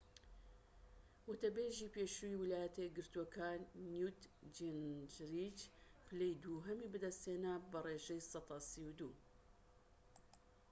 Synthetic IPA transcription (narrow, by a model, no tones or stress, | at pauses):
wʊt̪ɐbeːʒiːpeʃujiwɪlaːjɛt̪ɐjeɡɨɾt̪uokʰaːnːjut̪d͡ʒind͡ʒɾit͡ʃflejd̪uːɦɐmibɨd̪ɐst̪heːnabɐreːʒɛjsˤɑt̪ɑːsiwd̪uː